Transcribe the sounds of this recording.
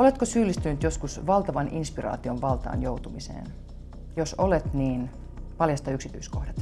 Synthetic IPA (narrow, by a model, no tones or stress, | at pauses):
olet̪kosyːlːist̪ynyt̪joskusʋɑlt̪ɑʋɑninspirɑ̰ːt̪ioʋʋɑlt̪ɑ̰ːnjowt̪umisḛːn | josolet̪niːn | pɑljɑst̪ɑyksit̪yiskohdɑt̪